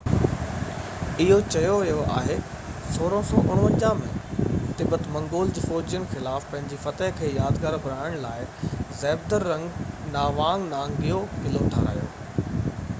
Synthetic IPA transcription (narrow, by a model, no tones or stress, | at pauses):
ɪɦot͡ɕɐjoʋɐjoʔa̰ːɦe | soːɾə̃sɔːʔʊɽ̃ʋə̃ɲd͡ʑaːmẽt̪ɪbət̪mɐ̃ŋɡoːld͡ʑiːfoːd͡ʑijənxɪlaːfpɐ̃ɦɪ̃ɲd͡ʑifɐt̪əɦkʰeːjaːd̪ɡaːɾbʱʊɾaːɪəɽ̃laːɪzɛːb̚d̪əɾːɐ̃ŋɡnaːʋaːŋnãːŋɡɪjokɪlot̪ʰaːɾa̰ːjo̰ː